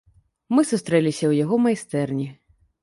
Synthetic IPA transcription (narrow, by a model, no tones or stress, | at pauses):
mɨsust̪ɾɛlʲisʲɐwjaɣɔmajst̪ɛrnʲi